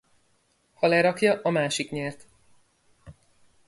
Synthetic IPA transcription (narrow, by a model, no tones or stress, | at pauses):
hɒlɛɾɒkjɒʔɒmaːʃikɲɛrt̪